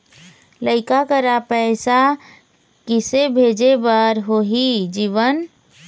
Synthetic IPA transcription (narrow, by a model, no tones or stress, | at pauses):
ləɪkakəɾapəɪsa | kisebʱed͡ʒebəɾɦoɦid͡ʒiʋən